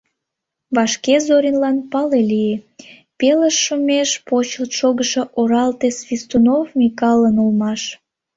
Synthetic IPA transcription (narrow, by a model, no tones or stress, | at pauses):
βɑʃkezoɾʲinlɑnpɑlelie | peləʃːumʲeʃpot͡ɕəlt̪ʃoɣəʃeʔoɾɑlt̪esvʲist̪unovmʲikɑlənulmɑʃ